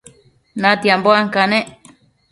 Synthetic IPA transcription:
nãt̪iamboaŋkanẽʔ

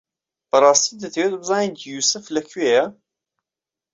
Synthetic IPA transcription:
b̥ɐrˤɑːst̪id̪ət̪ʰəwet̪bəzɑːnint̪juːsɨflɐkʰɥejɐ

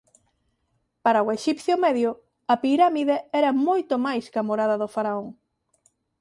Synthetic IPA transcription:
paɾɐoeʃipθjomɛðjʊ | ɐpiɾamiðeɛɾɐmojt̪omajskamoɾaðɐðofaɾaoŋ

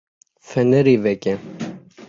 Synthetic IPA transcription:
fɛnɛɾivɛkɛ

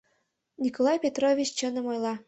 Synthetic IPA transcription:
nʲikolˠɑjpʲet̪rovʲit͡ɕt͡ɕə̆nɤ̆mojlˠɑ

